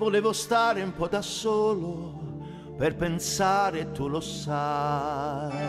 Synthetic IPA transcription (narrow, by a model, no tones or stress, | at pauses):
voleːvost̪aːɾeumpɔd̪asoːlo | perpensaːɾet̪ːulosa